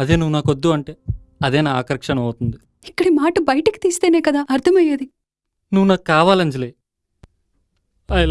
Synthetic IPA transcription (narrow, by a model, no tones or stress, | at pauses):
ɐd̪eːnuʋːnaːkod̪ːuɐɳʈeː | ɐd̪ɛːnɐaːkɐɾkʂɐnɐmɐːt̪und̪i | ikːɐɽimaːʈɐbɐjɐʈiki̥t̪iːst̪e̞ːneːkɐd̪aːʔɐɾt̪ʰɐmɐjeːd̪i | nuʋːunaːk̚kːaːʋaːlɐɲd͡ʒɐleː | ɐːjl